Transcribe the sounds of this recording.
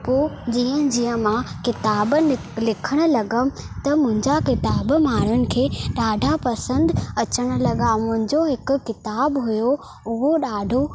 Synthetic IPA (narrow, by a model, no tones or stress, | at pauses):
poːd͡ʑiːə̃d͡ʑiːjə̃mãkɪt̪aːbɪ | lɪkʰəɽ̃ʊ̆lɐɡəm̆t̪ɐmʊ̃ɦɪ̃ɲd͡ʑakɪt̪aːbmaːɾənɪ̆kʰeːɗaːɖʱapɐsə̃nd̪ɐt͡ɕəɽ̃ʊ̆lɐɠamʊ̃ɦɪ̃ɲd͡ʑoɦɪkʊkːɪt̪aːbɦʊjo | ʊɦoɗaːɖʱo